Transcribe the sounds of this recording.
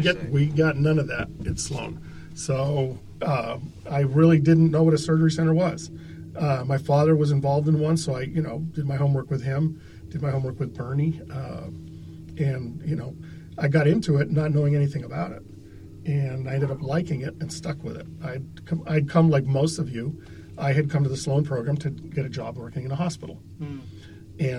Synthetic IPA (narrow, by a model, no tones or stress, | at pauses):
ɡɛwiɡɑtⁿnʌ̃nʌvðæ̰ɾ̚ɨtslõ̰ʊ̃n | soʊ | ʌ | aɪɹɪlˠidɪdⁿn̩noʊwʌɾɨsɜ˞d͡ʒə˞isɛ̃ɾ̃ə˞wʌz̥ | ʌmaɪfɑðə˞wʌzɨ̃ɱvɑlˠvdɨ̃n̩wʌ̃nsːoʊaɪjɨño̰ʊd̥ɨd̚maɪɦõʊ̃mwɜ˞kwɨð̥ɪ̃m | d̥ɨd̚maɪhõʊ̃mɜ˞kwɨðbʰɜ̃˞niʌ | ʔɨ̃njɨnoʊ | aɪɡɑɾɪ̃ntʰʉɪtⁿnətⁿnoʊɪ̃ŋɛniθɪ̃ŋɨbaʊɾɪ̰t̚ | ʔɨ̃naɪ̃dɨɾʌplaɪkɪ̃ŋɪɾɨ̃nstʌkwɨ̰ðɪ̰t̚aɪd̚ | kʰʌ̃a̰ɪd̚kʰʌ̃mlaɪk̚moʊstʌvjʉ | aɪɨd̚kʰʌ̃mtʰɨðəslõʊ̃npʰɹ̥oʊɡɹæ̃mtʰɨɡ̥ɛɾɨd͡ʒɑ̰bwɜ˞kɪ̃ŋɨ̃nəhɑspɪ̰ɾl̩ˠ | ɨ̃